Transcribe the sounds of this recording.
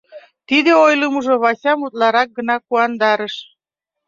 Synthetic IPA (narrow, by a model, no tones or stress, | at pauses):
t̪id̪eojləmuʒoβɑsʲɑmut̪̚lɑɾɑk̚ɡənɑkuɑnd̪ɑɾəʃ